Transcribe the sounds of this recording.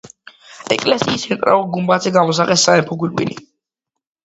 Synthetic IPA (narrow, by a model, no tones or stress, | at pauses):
ɛkʼlɛsiːsɛnt̪ʼɾa̰vɔɡumbat̪zʰɛɡamɔs̬aqɛsːaɛmpʰɔɡwilɡʼwḭnḭ